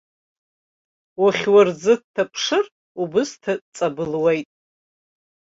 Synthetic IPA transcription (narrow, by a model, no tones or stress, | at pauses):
waχʲward͡zɨt̚tʰːapʰʂɨr | ubɨstʰat͡sʼabɨlwejtʼ